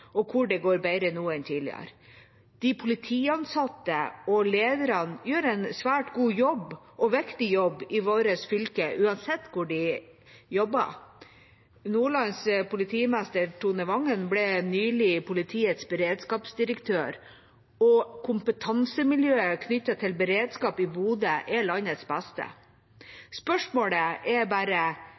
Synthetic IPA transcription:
ɔkʰʊɖɛɡoːɾbæɪɾənuːɛnt̪ʰiːlɪ̰ə̰ɾ | d̪̥ɪpʰʊlɪt̪ʰiːɑnsɑt̪ːəɔleːd̪əɾɑnjøːɾɛɪnsʋæːʈɡuːjɔbː | ʔɔʋɛkt̪ɪjɔbːɪʋoːɾəsfʏlkəʔʉːɑnsɛt̪ːkʰʊɖɪ | jɔbːɑ̰ | nuːɭɑnspʊlɪt̪ʰiːmæst̪əɾʈʰunəʋɑŋːənblɛnyːlɪpʰʊlɪt̪ʰiːət̪sbɛɾeːd̪skɑːpsd̪ɪɾəkt̪ʰøːɾ | ɔkʰʊmpət̪ʰɑnsəmɪljøːəkʰnʏt̪ːɑt̪ʰɪlbəɾeːd̪skɑːpɪbuːd̪əʔɛɭɑnət̪sbæst̪ə̰ | spœʂmoːɽəʔɛbæːɾə

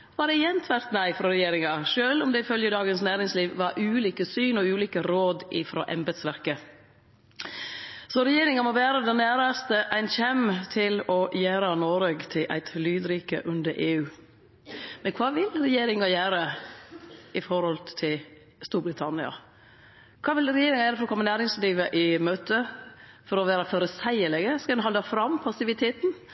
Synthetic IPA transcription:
ʋɑd̪ɛjɛnt̪ʰʋæɾt̪næɪfɾɔɾɛjeːɾɪŋɑʃøːlɔmd̪ɛɪfœljəd̪ɑːɡənsnæːɾɪŋsliːʋʋɑɾʔʉːliːkəsyːnɔʉːliːkəɾoːd̪ʔɪfɾo̰ːʔɛmbɛd̪sʋæɾkə | sɔɾɛjeːɾɪŋɑmɔʋæːɾəd̪ɛnæːɾɑst̪əʔæɪnçɛmt̪ʰɪlɔjæːɾɑnoːɾøɡt̪ʰɪlʔæ̰ɪt̪lyːd̪ɾiːkə̰ʔʉnd̪əɾʔeːʉː | mɛnkʰʋɑːʋɪlɾɛjeːɾɪŋɑjæːɾə | ɪfɔɾhɔlt̪ʰɪl | st̪uːɾbɾɪt̪ʰɑnɪɑ̰ | kʰɑːʋɪlɾɛjeːɾɪŋɑjæːɾəfɔɾɔkʰɔmːənæːɾɪŋsliːʋəʔɪmøːt̪əfɔɾɔʋæːɾɑføɾəsæɪəlɛɡəskɑld̪ɛnɦɑld̪ɑfɾɑmpʰɑsɪʋɪt̪ʰeːt̪n̩

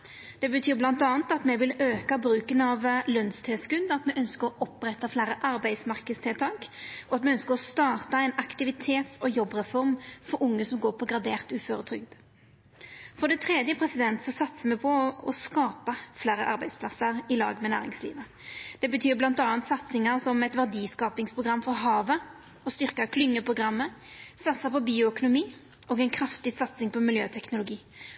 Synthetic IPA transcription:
d̪̥ɛbət̪ʰyːɾblɑnt̪ɑːnt̪ɑt̪mɛʋɪløːkɑbɾʉːkənɑʋlœnst̪ʰeːskʉnd̪ɑt̪mɛʔœnskəɾɔʔɔpɾɛt̪ːɑflæːɾəʔɑɾbæɪd̪smɑɾkəst̪ʰɪlt̪ʰɑːkɔɑt̪mɛœnskəɾɔst̪ɑːt̪ɑæɪnɑkt̪ɪʋɪt̪ʰeːt̪sɔjɔbːʁɛfɔʁmfɔɾʊŋːəsɔmɡoːɾpʰɔɡʁɑd̪eːʁt̪ʉːføːɾət̪ʰɾʏɡd̪ | fɔd̪ɛt̪ʰʁɛd̪jəpʰɾɛsɪd̪ɛnt̪sɔsɑt̪səmɛpʰɔɔskɑːpəfleːɾəʔɑɾbæɪspʰlɑsəɾɪlɑ̰ːɡmɛnæ̰ːɾɪ̰ŋslḭːʋə | d̪̥ɛbət̪ʰyːblɑnt̪ɑːnt̪sɑt̪sɪŋəɾsɔmɛt̪ʋæʁd̪iːskɑːpɪŋspʰʁʊɡɾɑmːfɔɾɦɑːʋə | ɔst̪ʏʁkɑkʰlʏŋːəpʰʁʊɡɾɑmːəsɑt̪səpɔbiːʊœkʊnʊmiː | oːɡæɛɪnkʰɾɑft̪ɪsɑt̪sɪŋpʰɔmɪljøːt̪ʰɛknʊlʊɡiː

